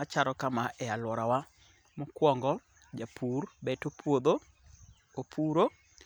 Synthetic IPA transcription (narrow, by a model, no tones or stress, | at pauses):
at͡ʃaɾɔkamaʔɛalwɔɾawa | mɔkwɔŋɡɔ | d͡ʒapʰurbɛtopʰwod̪o | opʰuɾo